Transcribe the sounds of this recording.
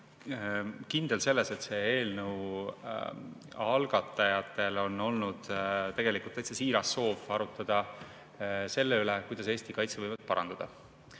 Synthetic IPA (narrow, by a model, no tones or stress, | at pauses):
kind̪̥e̞lse̞lːese̞t̪se̞eːlnəw | ɑlɡ̥ɑt̪ːˑɑjɑt̪ːˑe̞lo̞no̞lnud̪̥t̪e̞ɡ̥e̞likˑult̪ːˑejt̪sesiːɾɑsːo̞ːvɑɾut̪ːˑɑd̪̥ɑ | se̞lːeylekujd̪ɑseːst̪ikɑjt̪seɤjvɑd̪̥̚pɑɾʔɑ̰nd̪̥ɑd̪̥ɑ